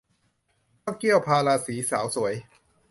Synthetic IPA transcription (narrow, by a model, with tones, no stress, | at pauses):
kɔː˥˩ki˥˩əwpʰaː˧laː˧siː˩˦saː˩˦wsu˩˦əj